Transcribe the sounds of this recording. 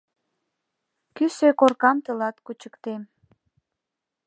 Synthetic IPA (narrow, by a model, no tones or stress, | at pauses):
kysøkorkɑmt̪əlɑt̪kut͡ɕə̥kt̪em